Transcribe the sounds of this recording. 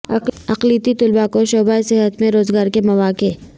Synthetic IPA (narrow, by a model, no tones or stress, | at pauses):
ɐɐqliːt̪it̪ʊlbakoʃoːbaisɪɦət̪mẽɾoːzɡaːɾkemɐʋaːke